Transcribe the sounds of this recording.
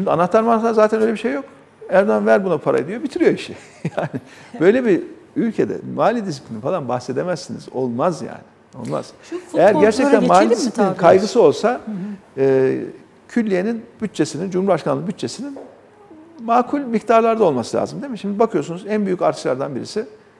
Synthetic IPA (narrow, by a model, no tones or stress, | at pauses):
ʃimd̪ʲia̰naxt̪ʰːaɾmanat̪ʰːaɾzaːt̪ʰænø̞jlʲebiʃe̞jːo̞k | ææɾd̪anvæɾbunapʰaɾa̰jid̪ˠijobit̪ʰiɾijo̞iʃɛ | jaːnɪbø̞jlʲe̞biylʲcʰe̞d̪ɛ̰maːlʲid̪isi̥plʲinifalˠanbaxse̞d̪emæzːinḭzo̞̰lˠmazja̰ːnɪ | o̞̰lˠma̰z̥ejæɾɟæɾt͡ʃʰɛt̪ænmaːlʲid̪isiipʰlʲininkʰajɡɯsɯo̞lˠsa | ɯː | cʰylʲːije̞ninb̥yt̪̚t͡ʃʰe̞sinind͡ʒumhuɾbaʃkʰanːˠɯbyt̪t͡ʃʰːe̞sinin | maːkʰulʲmikt̪ʰaɾlˠaɾd̪ao̞lˠmasɯlʲa̰ːzɯmd̪e̞mɛʃimd̪ibakʰɯjo̞sunuzænbyjycaɾt̪ʰɯ̥ʃlˠa̰ɾd̪anbiɾḭsɪ